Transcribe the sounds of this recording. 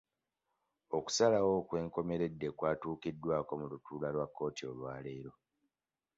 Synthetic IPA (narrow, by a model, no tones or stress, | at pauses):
o̞ku̥salawo̞ːkwe̞ːŋko̞me̞ɾe̞dːekwaːtuːkidːwaːko̞mulutuːlalwakːo̞ːtio̞lwaːle̞ːɾo̞